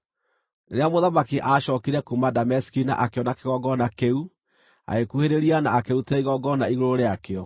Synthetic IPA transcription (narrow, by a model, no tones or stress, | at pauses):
neɾeamoðamakiʔaʃɔkiɾɛkumadamɛsi̥kina̰ʔakeɔnakeɣɔɡɔnakeu | a̰ekuheɾeɾianaːkeutɛiɣɔɡɔnaiɣoɾoɾeakeɔ